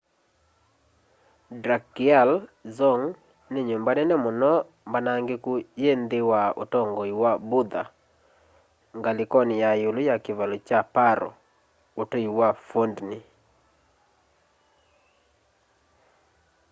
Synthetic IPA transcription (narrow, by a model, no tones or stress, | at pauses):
dɾakialzɔŋ | neɲombanɛnɛmʊnɔ | mbanaŋɡekujend̪ɪwaotɔŋɡɔiwabʊd̪a̰ | ŋɡalɪkɔnɪjajulʊjakɪvalot͡ʃapaɾɔ̰ | otɔiwafondni